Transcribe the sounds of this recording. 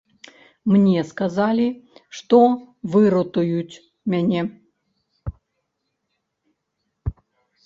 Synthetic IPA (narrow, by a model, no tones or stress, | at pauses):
mnʲɛskazalʲiʂt̪o | vɨɾɔt̪ʊjutʲ | mʲanʲɛ